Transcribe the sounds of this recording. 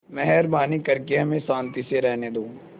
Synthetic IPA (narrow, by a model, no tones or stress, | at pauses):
mɛɦɛɾbaːnikɐɾkeɦɐmẽsãːnt̪iseɾɛɦned̪õː